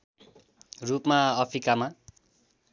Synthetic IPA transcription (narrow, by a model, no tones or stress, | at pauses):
rupmaʌpʰrikama